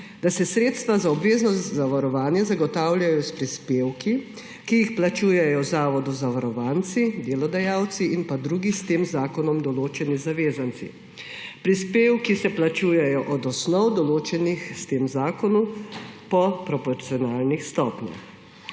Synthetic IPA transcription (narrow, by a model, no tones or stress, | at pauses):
d̪asɛsɾeːt̪st̪ʋazaɔbʋeːznɔst̪zaʋaɾɔʋaːnjɛzaɡɔt̪aːwlʲjajɔspɾispeːwki | kijixplat͡ʃuːjɛjɔzaːʋɔd̪uzaʋaɾɔʋaːnt̪sid̪eːlɔd̪ajawt̪siʔinpad̪ɾuɡist̪eːmzaːkɔnɔmd̪ɔloːt͡ʃɛnizaʋeːzant̪sḭ | pɾispeːwkisɛplat͡ʃuːjɛjɔʔɔd̪ɔsnɔwd̪ɔloːt͡ʃɛnixst̪eːmzaːkɔnupɔpɾɔpɔɾt̪siɔnaːlnixst̪ɔːpnɛ̰x